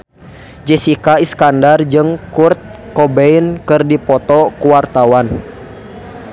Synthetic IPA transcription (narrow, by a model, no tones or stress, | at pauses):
d͡ʒɛsikaiskandard͡ʒɨŋkurt̪̚kɔbɛinkɨrdipɔt̪ɔkuwart̪awan